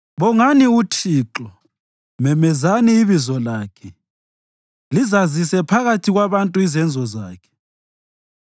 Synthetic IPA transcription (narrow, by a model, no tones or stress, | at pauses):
βɔŋaniut͡ʃʰiːǁɔ | mɛmɛzaniːβizɔlaːkʰɛ | lizazisɛpʰaɣatʰiɣwaβantʼuizɛnd͡zʱɔzaːkʰɛ̥